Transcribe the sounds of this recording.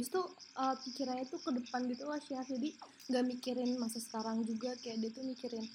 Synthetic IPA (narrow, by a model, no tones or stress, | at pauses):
bist̪uʔəpikiɾaɲat̪ukədəpanɡit̪ulahʃiahd͡ʒadi | ŋɡaʔmikiɾɪnmasasə̥kaɾaŋd͡ʒuɡakajaʔdiat̪umikiɾɪn